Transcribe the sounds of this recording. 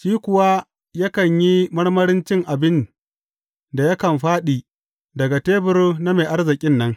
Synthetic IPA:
ʃiː˦kʷʊ˨wa˦ | jɐ˦kɐ˨ɲji˦mɐ˦ɽmɐ˦ɽɪ˦nt͡ʃɪ˦ŋʔa˨bɪ˦n | da˨jɐ˦kɐ˨mɸaː˦ɗiː˨ | dɐ˨ɡa˨teː˦bɪ˦rna˦meː˨ʔa˦rzɪ˨kʲʼɪ˦nːɐ˦ŋ

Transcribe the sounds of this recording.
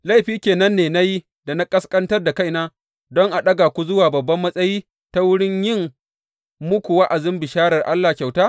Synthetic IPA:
la˦˨jɸiː˦kʲeː˨nɐ˦nːeː˨na˦ji˦ | da˨na˦kʼɐ˦skʼɐ˦ntɐ˦rda˨ka˦jnaː˦ | dɔ˦ŋʔa˨ɗɐ˦ɡaː˨kʷu˦zʊ˦waː˨bɐ˨bːɐ˦mːɐ˦sʼɐ˦jiː˦ | ta˦wʊ˦ɽɪ˦ɲjɪ˦˨ŋ | mʊ˦kʷu˨wa˦ʔa˨zɪ˦mbɪ˨ʃaː˦ɽɐ˨rʔa˦lːaː˨kʲa˨wtaː˦

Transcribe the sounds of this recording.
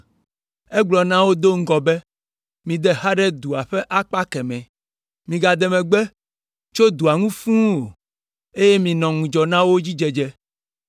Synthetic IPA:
ɛ˦ɡ͡blɔ˨nã˦wo˦d̪o˦ŋ̩˦ɡɔ˨bɛ˦ | mĩ˨d̪ɛ˦ha˦ɖɛ˦d̪u˨a˨ɸɛ˦ʔa˦k͡pa˦kɛ˨mɛ̃˨ | mĩ˨ɡa˨d̪ɛ˨mɛ̃˨ɡ͡bɛ˦ | t͡ʃo˦d̪u˨a˨ŋũ˦fũ˦wo˨ | e˦je˦mĩ˨nɔ̃˨ŋũ˨d͡ʒɔ˨nã˦wo˦d͡ʑi˦d͡ʒɛ˨d͡ʒɛ˦

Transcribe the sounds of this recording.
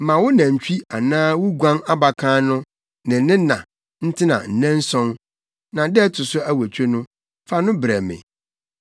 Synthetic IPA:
m̩˨mã˨wʊ˦nã˨ɲ̩˨t͡ɕᶣi˦a˨nãː˦wʊ˦ɡʷã˦ŋa˦ba˨kʰãː˦nʊ̃˦ | nɪ̃˨n˦nɪ̃˦nã̰˨ | n̩˦tʰɪ˦nã̰˨n̩˨nɛ̃˦n̩˦sɔ̃˦n | nã˨dɛ˦tʰʊ˨sʊ˦æ˦wæ˨t͡ɕʰᶣe˦nʊ̃˦ | fa˦nʊ̃˦bɾɛ˨mɪ̰̃˨

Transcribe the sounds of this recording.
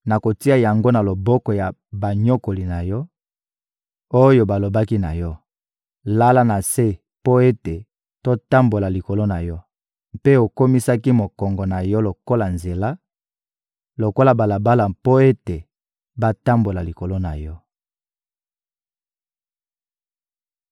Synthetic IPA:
na˨ko˨ti˦a˨ja˨ŋɡo˦na˨lo˨bɔ˦kɔ˨ja˨ba˨ɲɔ˦ko˨li˨na˨jɔ˦ | o˦jo˦ba˨lo˨ba˦ki˦na̰˨jɔ˦ | la˦la˦na˨se˦ | po˦e˦te˨ | to˦ta˦mbo˨la˨li˨ko˨lo˦na˨jɔ˦ | mpe˦o˨ko˦mi˦sa˦ki˦mo˨kɔ˨ŋɡɔ˨na˨jɔ˦lo˨ko˦la˨nze˨la˦ | lo˨ko˦la˨ba˨la˨ba˦la˨po˦e˦te˨ | ba˦ta˦mbo˨la˨li˨ko˨lo˦na˨jɔ˦

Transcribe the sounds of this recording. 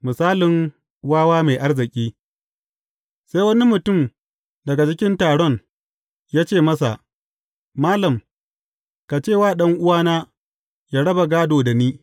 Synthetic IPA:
mʊ˨saː˦lɪ˨ŋ | waː˦waː˦meː˨ʔa˦rzɪ˨kʲʼiː˦ | seː˦jwɐ˦ni˦mʊ˨tʊ˦˨m | dɐ˨ɡa˨t͡ʃɪ˦kʲɪ˦ntaː˨ɽɔ˦˨ŋ | jaː˦t͡ʃeː˦˨mɐ˦sa̰˨ʔ | maː˦lɐ˨m | ka˨t͡ʃeː˦˨waː˦˨ɗɐ˦ŋʔʊ˦waː˦naː˦ | jaː˦ɽɐ˦ba˨ɡaː˦doː˨da˨niː˦

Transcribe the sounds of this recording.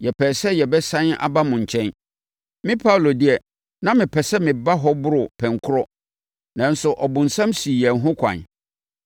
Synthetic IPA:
jɛ˨pʰɛː˨sɛ˦jɛ˨bɛ˦sã˦na̰˨ba˦mʊ̃˨ɲ̩˨t͡ɕʰɛ̃˦n | mɪ̃˦pʰa˦wlo˨dɪ˦ɛ˨ | nã˦mɪ̃˨pʰɛ˨sɛ˦mɪ̃˨ba˦ɦɔ˦bʊ˦ɾʊ˨pʰɛ̃˨ŋkʰʊ˦ɾɔ˦ | nã˨n̩˦sʊ˨ʔɔ˨bʊ̃˨n̩˨sã˦msi˨jɛ˨n̩˦ɦʊ̃˦kʷʰã̰˨n

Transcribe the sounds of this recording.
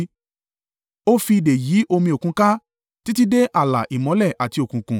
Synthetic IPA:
o˦fi˧i˧de˨jiː˨˦ʔo˧mĩ˧o˨kũ˨˧ka˦ | ti˦ti˦de˦ʔa˦˨la̰˨ʔi˨mɔ̃˨˦lɛ˦˨ʔa˨ti˧o˨kũ˨kũ˨

